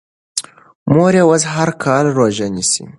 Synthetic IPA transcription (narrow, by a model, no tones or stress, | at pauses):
moːɾewɐzɦɐɾkʰaːlroːʒɐnisḭ